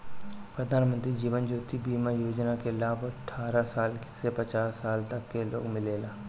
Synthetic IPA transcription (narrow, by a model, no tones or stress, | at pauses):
pɾəd̪ʱaːnmə̃nt̪ɾid͡ʒiːʋənd͡ʒoːt̪ibiːmajoːd͡ʒnakelaːbɐʈʰːaːɾasaːlksepət͡ʃaːsːaːlt̪ɐkːelo̰ːɡmɪleːlaː